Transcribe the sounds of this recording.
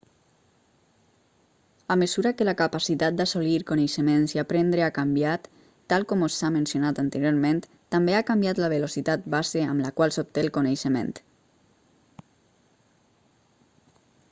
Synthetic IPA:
aməzuɾakəlakapasit̪at̪̚d̪asoliɾkonejʃəmenziapɾend̪ɾeakambjat̪ː | alˠkɔmosamə̃nsjonat̪ant̪əɾjoɾmẽnt̪ | t̪ambeakambjat̪ləβelosit̪at̪̚bazeəmləkwalˠsop̚t̪elˠkoneʃəmḛnt̪

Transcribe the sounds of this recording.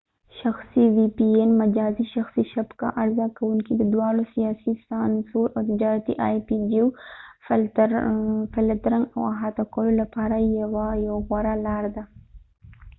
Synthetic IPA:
ʃaxsiwipienmad͡ʒaːziʃaxsiʃabka̰ʔaɾzakawuŋkid̪əd̪wɑɽosijasisansuɾʔawt̪ɪd͡ʒɑːɾat̪ḭʔajpid͡ʒu | fɪlt̪ɾaŋɡa̰waɦat̪akololapɑɾajawajawɣwaɾalaɾd̪a

